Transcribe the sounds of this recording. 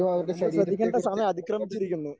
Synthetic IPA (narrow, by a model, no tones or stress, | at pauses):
ɐʋɾkːeʂɐɐd̪ʱikːɐɳʈːesaːmɐɐd̪ʱikrɐmit͡ɕːiɾikʲːunːu